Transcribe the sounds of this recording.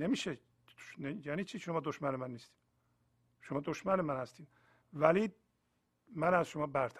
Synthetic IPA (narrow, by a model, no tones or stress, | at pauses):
nemiːʃe | nejæːniːt͡ʃʰiːʃomɒːd̪oʃmænemænːiːst̪iːd̪̥ | ʃomɒːd̪o̞ʃmænemænhæst̪iːd̪̥ | væli | mænæzʃomɒːbæɾt̪ʰ